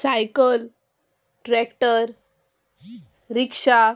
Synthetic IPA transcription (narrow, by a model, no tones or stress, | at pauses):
sajkəl | ʈɾɛkʈəɾ | ɾikʂa